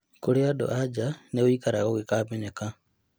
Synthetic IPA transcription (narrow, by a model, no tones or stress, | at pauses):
koɾeado̰ʔad͡ʒaneoikaɾaɣoɣekaːbeɲeka